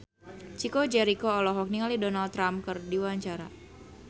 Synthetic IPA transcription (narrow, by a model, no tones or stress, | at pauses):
t͡ʃikod͡ʒɛɾikoːlɔɦɔk̚niŋalidɔnalt̪ːɾamkɨrdiwaɲt͡ʃaɾa